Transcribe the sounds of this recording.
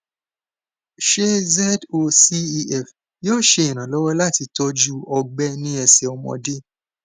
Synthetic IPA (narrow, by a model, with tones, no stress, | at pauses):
ʃe˦zɛ˦do˧si˦i˧ɛ˦˨f | joː˦˨ʃe˧ĩ˨ñã˨lɔ˦wɔ˦la˦˨ti˧tɔ˧d͡ʒu˦ɔ˧ɡ͡bɛ˦nĩ˦ɛ˧sɛ˧ɔ˧mɔ̰̃˧de˦